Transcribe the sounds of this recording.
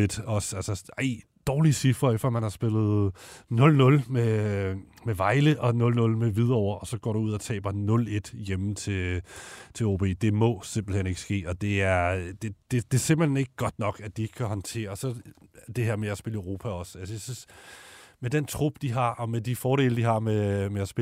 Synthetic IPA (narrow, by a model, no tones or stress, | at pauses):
ed̥ɒ̽sælsəɑɪ̰ | d̥ɒːlisifʁɐefd̥ɒmænhɑ̈sb̥e̝lð̩ˠnɔ̽lnɔ̽lme | meʋɑ̈ɪləʔɒ̽nɔ̽lnɔ̽lmeʋið̞ˠɒʊ̰ɐʔɒ̽sɒ̽ɡ̥ɒ̰ːɾ̥uuð̞̰ˠɒ̽t͡sʰɛ̰ːb̥ɐnɔ̽le̝d̥jemət͡sʰe̝ | t͡sʰe̝oːb̥ʰe̝̰ːd̥e̝mɒ̽se̝mb̥l̩hene̝ɡ̥ə̥sɡ̥e̝̰ːɒ̽d̥e̝æɐd̥e̝d̥e̝d̥e̝se̝mb̥l̩hene̝ɡ̥əɡ̥ɒ̽d̥nɒ̽ɡ̥æd̥ie̝ɡ̥kʰæhɒ̽nt͡sʰe̝̰ːɐsɒ̽d̥e̝heɐ̰meæsb̥e̝ləʊʁo̝ːpʰæɒ̽sælsəjæsys | med̥ent͡sʰʁub̥d̥iɦɑ̈ʔɒ̽med̥ifɒːɾe̝̰ːləd̥iɦɑ̈memeæsb̥e